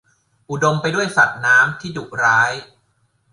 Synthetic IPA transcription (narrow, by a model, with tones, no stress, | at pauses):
ʔu˨˩do˧mpa˧jdu˥˩əjsa˨˩t̪̚naː˦˥mt̪ʰiː˥˩duː˨˩k̚ɾaː˦˥j